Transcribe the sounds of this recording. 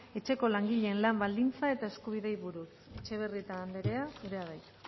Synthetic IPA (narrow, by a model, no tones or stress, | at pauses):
e̞t͡ʃe̞ko̞laŋɡiʎe̞ːnlambald̪int͡sae̞t̪ae̞skuβ̞iðe̞jβuɾuse̞t͡ʃe̞β̞e̞riet̪aːnd̪e̞ɾe̞asuɾe̞að̞ajt̪